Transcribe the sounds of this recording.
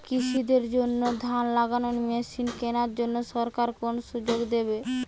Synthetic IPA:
kiʃid̪eɾd͡ʑonːod̪ʱanlaɡanonmeʃinkenaɾd͡ʑonːoʃɔɾkaɾkonoʃud͡ʑoɡd̪ebe

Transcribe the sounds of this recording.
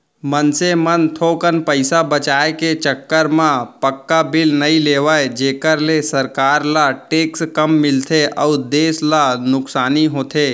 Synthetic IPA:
mənsemənt̪ʰoːkənpəɪsabət͡ʃaːeket͡ʃəkːəɾmãpəkːabɪlnəĩleːʋaed͡ʒeːkəɾlesəɾkaːɾlaʈeːkskəmːɪlt̪ʰeʔɔːd̪eːslanʊksaːniɦoːt̪ʰeː

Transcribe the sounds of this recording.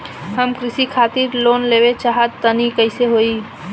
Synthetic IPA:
ɦəmkɾɪsikʰaːt̪iɾlonleʋet͡ʃaɦət̪ːənikəɪseɦoi

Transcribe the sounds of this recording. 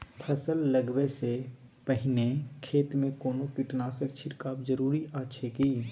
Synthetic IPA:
pʰəsəlːəɡwese | pəɦɪnekʰeːt̪mẽkoːnokɪʈnaːsək̚t͡ʃʰɪʈkaːbd͡ʒəɾuːɾiaːtːʃʰekiː

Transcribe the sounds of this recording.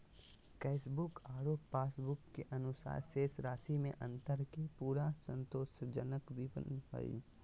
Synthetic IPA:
kɛːsbʊkaːɾoːpːaːsbʊkːeʔɐnʊsa̰ːɾseːsɾaːsimẽʔɐ̃nt̪əɾkepuːɾasə̃nt̪oːsd͡ʒənəkbʱipə̰nɦo̰ːḭ

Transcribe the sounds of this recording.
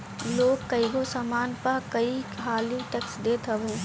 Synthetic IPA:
loːɡkɐiɡosamaːnpɐɾkɐikʰaːliʈɐksd̪eːt̪əʋĩ

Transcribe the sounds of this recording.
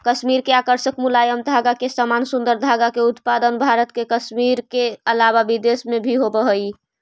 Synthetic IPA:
kəsmiɾkeakəɾsəkmulajəmd̪ʱaɡakesəmansund̪əɾd̪ʱaɡakeut̪pad̪ənbʱaɾət̪kekəsmiɾkeəlaβabid̪esmebʱiɦobəɦəj

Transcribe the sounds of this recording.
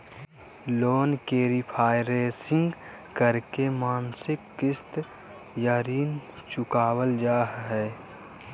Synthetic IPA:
loːnkeːɾipʰaːjɾeːsɪ̃ŋɡ | kəɾkemaːnsɪkːɪst̪ɾ | jaːɾiːnt͡ʃʊkaːwəld͡ʒaːɦɦɛː

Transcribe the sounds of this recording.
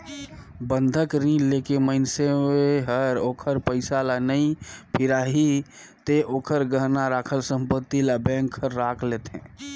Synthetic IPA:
bə̃nd̪ʱəkɾĩːleːkeməɪnsemeɦəɾoːkʰəɾpəɪsalanəĩpʰɪɾaːɦi | t̪eʔoːkʰəɾɡəɾnaɾaːkʰəlsə̃mpət̪ːilabɛ̃ːŋkʰːəɾːaːkʰleːt̪ɦɛ̰̃ː

